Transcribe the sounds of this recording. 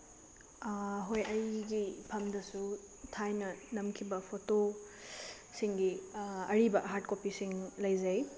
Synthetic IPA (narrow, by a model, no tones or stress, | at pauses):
ɦojɐjɡipʰɐmdɐsu | tʰajnɐnɐmkʰibɐpʰoto | siŋɡiɐɾibɐɦaɾt̚kopisiŋlɐjzɐj